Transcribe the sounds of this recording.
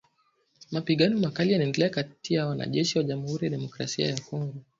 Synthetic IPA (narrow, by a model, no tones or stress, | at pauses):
mapiɠanɔmakalijanaɛndɛlɛakatijawana̰ʄɛʃiwaʄamuhuɾijaɗɛmɔkɾa̰sia̰jakɔŋɡɔ